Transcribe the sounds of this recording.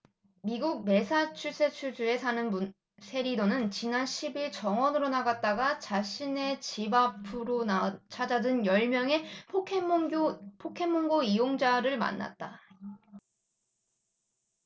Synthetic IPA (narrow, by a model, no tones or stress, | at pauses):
miɡuk̚me̞sʰat͡ɕʰus͈ʰe̞t͡ɕʰud͡ʑue̞sʰanɯnu | sʰe̞ɾidonɯnt͡ɕinanɕʰibiɭt͡ɕʌŋʌnɯɾonaɡat̚t͈aɡat͡ɕaɕʰine̞t͡ɕibapʰɯɾot͡ɕʰad͡ʑadɯnjʌɭmjʌŋe̞pʰe | pʰokʰe̞ŋmoŋɡoijoŋd͡ʑaɾɯɭma̰nːa̰t̚t͈a